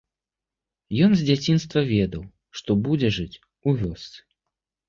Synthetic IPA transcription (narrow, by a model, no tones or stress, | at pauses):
jɔnzʲd͡zʲat͡sʲinst̪vɐvʲɛd̪ɐw | ʂt̪ɔbud͡zʲɛʐɨt͡sʲ | uvʲɔst̪sɨ̥